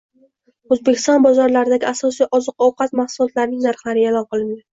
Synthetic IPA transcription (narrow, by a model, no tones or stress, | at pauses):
ozbekʲʰɪst̪ɒnbɒzɒɾlaɾɪd̪aɡʲɪasɒsijʔɒzɨq̚ɒwqɑt̪maχsʊlˠɒt̪laɾnɪŋnaɾχlaɾɪelɒnqɨlˠɪnd̪ɪ